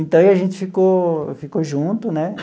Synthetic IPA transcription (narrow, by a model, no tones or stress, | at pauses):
ĩt̪ɐ̃iaʒẽnt͡ʃ̪ifikofikoʒũnt̪unẽ